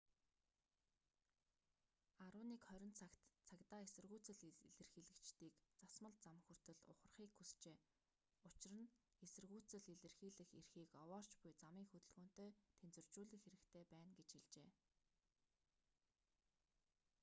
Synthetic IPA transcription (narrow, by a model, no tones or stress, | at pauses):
aɾʊːniːkχœɾʲɪ̆nt͡sʰakt̪t͡sʰakt̪aːesɘ̆rɣuːt͡sɘ̆ɮiɮɘ̆rxiːɮɘ̆kt͡ɕt̪iːkt͡sasmə̆ɮt͡samxur̥t̪ɘ̆ɮʊ̰χə̆rχiːkxːust͡ɕeː | ʊt͡ɕɪ̆rə̆n | esɘ̆rɣuːt͡sɘ̆ɮiɮɘ̆rxiːɮɘ̆xerxiːkɔwɔːr̥t͡ɕpʊjt͡samiːŋxɵt̪ɵ̆ɮɣoːn̥t̪œːt̪ʰent͡sɵ̆r̥t͡ɕuːɮɘ̆xeɾɘ̆kt̪ʰeːpæːnɡet͡ɕxiɮt͡ɕeː